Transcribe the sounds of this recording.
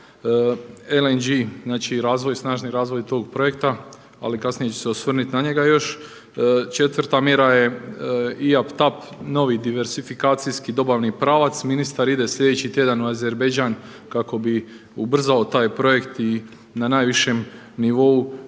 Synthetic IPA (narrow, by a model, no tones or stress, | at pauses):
elend͡ʒiznaːt͡ʃiɾaːzʋo̞jsnaːʒniɾaːzʋo̞jt̪o̞ːɡpɾo̞jekt̪a | a̰likasnije̞t͡ɕeseosʋr̩nit̪naɲe̞ɡajo̞ʃ | t͡ʃe̞t̪ʋɾt̪amje̞ɾaje̞ | iapt̪ap | no̞ʋid̪iʋe̞ɾsifikaːt̪sijskid̪o̞baʋnipɾaːʋat̪sminist̪aɾid̪e̞sʎʲe̞d̪et͡ɕit̪je̞d̪anuaze̞ɾbed͡ʒaːn | kako̞bi | ubr̩zaot̪aːjpɾo̞je̞kt̪i | nanaːjʋiʃe̞m | niʋo̞u